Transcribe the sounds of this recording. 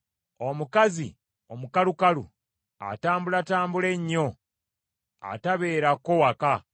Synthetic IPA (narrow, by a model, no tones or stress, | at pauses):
o̞mukazḭ | o̞mukalukalṵ | a̰taːmbulataːmbule̞ɲːo̞ | a̰taβe̞ːɾako̞waka